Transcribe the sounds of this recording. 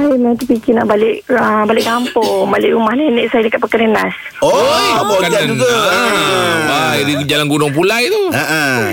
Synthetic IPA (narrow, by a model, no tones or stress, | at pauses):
ajmet̪upikina̰ʔbalɪʔəbalɪʔɡampʊbalɪ̰ʔɾumahnineʔsajadəkat̪̚pəkənənas | obokaad͡ʒuɡa | aidid͡ʒalanɡunʊŋp̬ulajt̪uaʔ